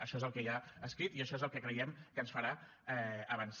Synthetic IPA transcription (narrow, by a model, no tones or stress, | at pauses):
əʃɔezəlˠkɛjaəskɾit̪iəʃɔezəlˠkɛkɾəjɛmkənsfəɾa | ɛəβəns